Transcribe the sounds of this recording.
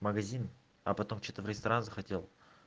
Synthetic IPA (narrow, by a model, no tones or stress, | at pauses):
mɐɡɐzʲin | ɐpɐt̪o̞mt͡ɕet̪əvɾʲɪst̪ɐɾanzəxɐtʲelˠ